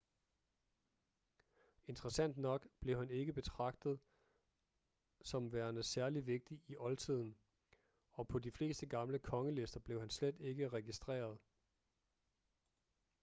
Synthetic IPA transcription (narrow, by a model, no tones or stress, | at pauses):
e̝nd̥ʁɐsæn̰d̥nɒ̽ɡ̥b̥le̝ʊhæne̝ɡ̥əb̥e̝t͡sʰʁɑ̈ɡ̥̚d̥ð̞̩ˠ | sɒ̽mʋæːɐnəsæɐliʋe̝ɡ̥̚d̥iʔiʔɒ̽lt͡sʰið̞̰ˠn̩ | ɒ̽pʰɒ̽difle̝ːsd̥əɡ̥ɑ̈mləkʰɒ̽ŋəle̝sd̥ɐb̥le̝ʊhænsled̥e̝ɡ̥əʁɛɡ̥isd̥ʁɛ̰ːɐð̞ˠ